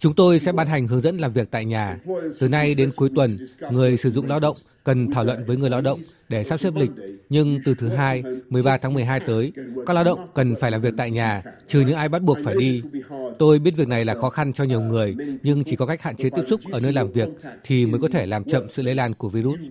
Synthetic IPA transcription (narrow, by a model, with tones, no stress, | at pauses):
t͡ɕʊ˨˦ŋ͡mt̪o˧jsɛ̰˧˥ɓaː˧nɦa˨˩jŋ̟ɦɨ˨˦əŋzə̰˧˥nlaː˨˩mvi˨˩ək̚t̪a̰ː˧˨jɲaː˨˩t̪ɨ˨˩na˧jɗe˨˦nku˨˦əjt̪wə˨˩nŋɨ˨˩əjsɨ˧˩zʊ̰˧˨ŋ͡mlaː˧wɗə̰˧˨wŋ͡m | kə˨˩nt̪ʰaː˧˩wlwə̰˧˨nvəː˨˦jŋɨ˨˩əjla˧wɗə̰˧˨wŋ͡m | ɗe˧˩saː˦˥p̚se˦˥p̚lï˨˩k̟̚ɲɨ˧ŋt̪ɨ˨˩t̪ʰɨ˨˦ɦaː˧jmɨ˨˩əjɓaː˧t̪ʰaː˨˦ŋmɨ˨˩əjɦaː˧jt̪əː˨˦jka˦˥k̚laː˧wɗə̰˧˨wŋ͡mkə˨˩nfaː˧˩jlaː˨˩mvi˨˩ək̚t̪a̰ː˧˨jɲaː˨˩t͡ɕɨ˨˩ɲɨ̰˧˥ŋʔaː˧jɓa˦˥t̚ɓu˨˩ək̚faː˧˩jɗi˧t̪o˧jɓi˦˥t̚vi˨˩ək̚na˨˩jlaː˨˩xɔ˨˦xa˧nt͡ɕɔ˧ɲi˨˩əwŋɨ˨˩əjɲɨ˧ŋt͡ɕi˧˩kɔ˨˦ka˦˥k̟̚ha̰ː˧˨nt͡ɕe˨˦t̪i˦˥əp̚sʊ˦˥k͡p̚ʔəː˧˩nəː˧jlaː˨˩mvi˨˩ək̚t̪ʰi˨˩məː˨˦jkɔ˨˦t̪ʰe˧˩laː˨˩mt͡ɕə̰˧˨msɨ̰˧˨lḛ˧˥˦laː˧˩nku˧˩əvi˧zu˦˥t̚